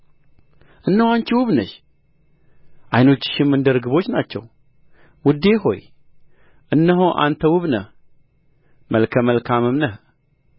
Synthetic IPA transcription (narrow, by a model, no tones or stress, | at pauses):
ʔɨnːəhwant͡ʃiwʊβnəʃ | ʔajno̞t͡ʃːɪ̥ʃɪmɨnd̪əɾɨɡɨβo̞t͡ʃːnat͡ʃːɛ̰w | wʊd̪ːe̞ɦo̞̰j | ʔɨnːəɦoʔa̰nt̪ʰəwɨβnə̰h | mʔəlkʰəməlkʰamɨmnəh